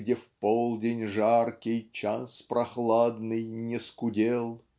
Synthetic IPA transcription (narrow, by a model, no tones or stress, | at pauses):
dʲefpolˠdʲenʲʐarkʲɪjt͡ɕaspɾɐxlˠad̪nɨjnʲɪskʊdʲelˠ